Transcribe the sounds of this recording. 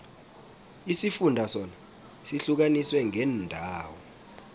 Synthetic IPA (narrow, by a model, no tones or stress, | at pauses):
isifundʱasɔna | siɬuk̬aniswɛŋʱɛndʱaːwɔ